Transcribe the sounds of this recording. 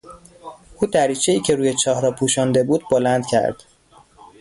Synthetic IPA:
ʔuːd̪æɾiːt͡ʃʰe̞iːcʰe̞ɾuːjet͡ʃʰɒːhɾɒːpʰuːʃɒːnd̪e̞buːd̪bolænd̪̥cʰæ̰ɾd̪̥

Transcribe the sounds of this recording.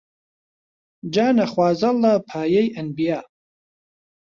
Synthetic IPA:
d͡ʒaːnɐχwaːzɐlapʰaːjejʔɐnbijaː

